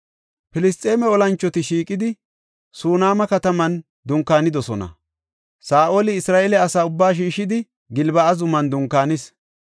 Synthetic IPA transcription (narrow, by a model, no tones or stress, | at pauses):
pɪlɪst̪ʼːe̞ːmɛɔlɐnt͡ʃːɔt̪ɪʃiːkʼɪd̪ɪ | suːnaːmɐkɐt̪ɐmɐn | d̪ʊŋkaːnɪd̪ɔsɔnɐ̰ | saːʔolɪɪsɾaːʔɛlɛɐsaːʊbːaːʃ̬iːʃːɪd̪ɪ | ɡɪlbɐɐzʊmɐnd̪ʊŋkːaːnɪs